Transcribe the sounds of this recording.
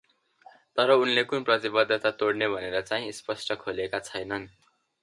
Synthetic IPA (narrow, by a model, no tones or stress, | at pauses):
t̪ʌɾʌunlekunprʌt̪ibʌd̪ʱːʌt̪at̪oɽnebʱʌneɾʌt͡saĩspʌsʈʌkʰolekat͡sʰʌjnʌn